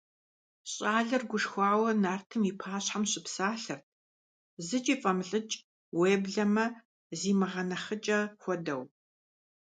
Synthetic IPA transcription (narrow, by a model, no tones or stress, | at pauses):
ɕʼaːɮɐrɡʷʊʂxʷɑːwɐnaːrtʰɨmiːpʰaːɕħamɕʼɪpsaːɬɐrt̚ʰ | zɨt͡ʃʼiːfʼɐmɬʼɨt͡ʃʼ | weːbɮɐmɐ | ziːmɨʁɐnɐχət͡ʃʼɐxʷɔdɐw